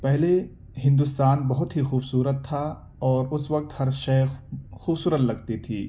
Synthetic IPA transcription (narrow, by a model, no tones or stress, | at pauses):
pɛɦle | ɦɪ̃nd̪ʊst̪aːnbɐɦʊt̪ɦixuːbsuːɾət̪ʰːa | ɔːɾʊsʋɐk̚t̪hɐɾʃɐxuːbsuːɾət̪lɐɡt̪it̪ʰiː